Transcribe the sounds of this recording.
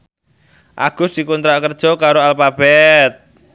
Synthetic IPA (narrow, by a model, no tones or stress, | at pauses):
ʔa̰ɡ̥ʊsd̥ikunt̪ɾaʔkərd̥ʒ̥ɔ̤kaɾoalfab̥ɛt̪̚